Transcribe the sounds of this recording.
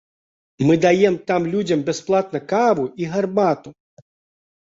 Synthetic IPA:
mɨd̪ajɛmt̪amlʲud͡zʲɐmbʲɛsplˠat̪nɐkavuiɣarbat̪u

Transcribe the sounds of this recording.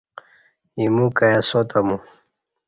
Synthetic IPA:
imukajasot̪amu

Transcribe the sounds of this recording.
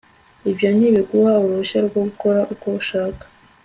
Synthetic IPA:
ibjaːɲiβeɡuhauɾuuɕaɾɡoɡuko̞ɾaʔukouʃaːkḁ

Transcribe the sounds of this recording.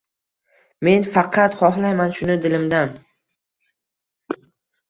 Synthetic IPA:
me̞nfɑqʰɑt̪χɒɦlajmanʃʊnɪd̪ɪlɪmd̪an

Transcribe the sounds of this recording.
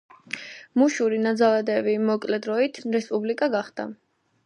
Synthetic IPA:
muʃuɾinad̪zalˠad̪ɛvimɔkʼlɛd̪ɾɔit̪ʰɾɛspʼublikʼaɡaχd̪̥a̰

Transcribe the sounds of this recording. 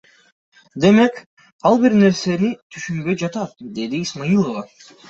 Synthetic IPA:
d̪e̞me̞k | ɑlˠbiɾne̞ɾse̞ɾit̪ʰyʃynbø̞jd͡ʒɑt̪ɑt̪̚d̪e̞d̪iːsmajilˠovɑ

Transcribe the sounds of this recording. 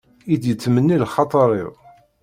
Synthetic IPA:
id̪jət͡sːmənːilχɑt̪ˤəɾˤɪ̰ʁ

